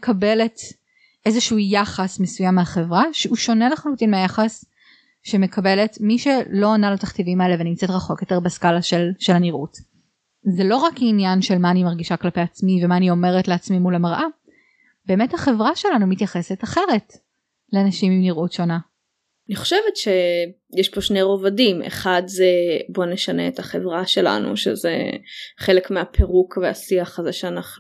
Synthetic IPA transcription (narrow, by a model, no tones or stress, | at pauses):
kʰabelet | ʔezeʃuujaχasmesujamːeaχevʁaʃeuʃo̞neleχalutinmeajaχas | ʃeme̞kʰabe̞letmiʃelo̞analataχt̪ivimɐeleveanimt͡setʁaχo̞kjo̞te̞ʁbeskalaʃelʃelhaniʁut | zelo̞ʁakinjanʃelmaːnimaʁɡiʃaklapejat͡smivemaːnio̞me̞ʁetleat͡smimulamaʁʔa | be̞ːmethaχevʁaʃe̞lanumitjaχe̞setaχe̞ʁe̞t | leanaʃimimniʁʔutʃo̞na | aniχo̥ʃevetʃejeʃpo̞ʃnejʁovadimḛχadzebo̞neʃaneethaχevʁaʃe̞la̰nṵʃḛzḛχelekmeapʰeʁukvea̰siaχazeʃeanaχu